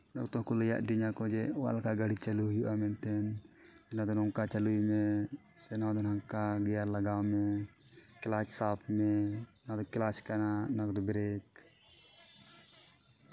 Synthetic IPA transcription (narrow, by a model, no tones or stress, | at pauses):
nɔkt̪ɔ̃ɦkɔləja̰ʔd̪iɲakɔd͡ʒɛwa̰lkaɡəɽit͡ʃaluɦjuʔamɛnt̪ɛnd͡ʒɛnad̪ɔnɔŋkat͡ʃalujmɛ | sɛnawd̪ɔnaŋkaɡɛjaɾlaɡawmɛ | klat͡ʃsapʰmɛnad̪ɔklat͡ʃkɛnanakd̪ɔbɛɾɛk̚